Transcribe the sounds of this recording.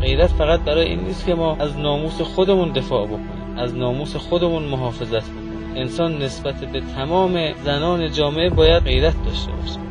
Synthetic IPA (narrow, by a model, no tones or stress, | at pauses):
ɢe̞jɾæt̪fæɣæt̪̚bæɾɒːjeʔḭːnːiːst̪kʰe̞mɒːæznɒːmuːse̞xod̪e̞mund̪e̞fɒːʔbo̞kʰonimʔæznɒːmuːse̞xod̪e̞munmoɦɒːfe̞zæt̪ʰbokonimensɒːnːesbæt̪ʰebet̪ʰæmɒːme̞zænɒːne̞d͡ʒɒːmeʔebɒːjæd̪̚ɣe̞jɾæt̪̚ʰd̪ɒːʃt̪e̞̰bɒ̰ːʃi̥m